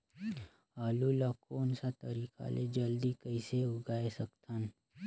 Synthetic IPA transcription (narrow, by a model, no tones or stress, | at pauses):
aːlulakoːnsat̪ɐɾiːka̰lʔḛd͡ʒɐld̪ikəiseʊɡaːesɐkt̪ʰan